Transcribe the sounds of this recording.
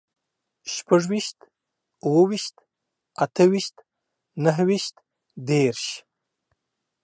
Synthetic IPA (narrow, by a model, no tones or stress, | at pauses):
ʃpaʐwiʃt̪ | uwawiʃt̪ | at̪ʰəwiʃt̪ | naɦwiʃt̪ | d̪eɾʃ